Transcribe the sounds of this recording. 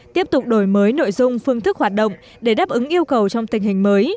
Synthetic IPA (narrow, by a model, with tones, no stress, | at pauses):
t̪i˦˥əp̚t̪ʊ˨˩k͡p̚ɗo˧˩jməː˨˦jno̰˧˨jzʊ˧ŋ͡mfɨ˧əŋt̪ʰɨ˦˥k̚hwaː˨˩t̚ɗə̰˧˨wŋ͡m | ɗe˧˩ɗaː˦˥p̚ʔɨ˨˦ŋʔi˧əwkə˨˩wt͡ɕɔ˧wŋ͡mt̪ï˨˩ŋ̟ɦï˨˩ŋ̟məː˨˦j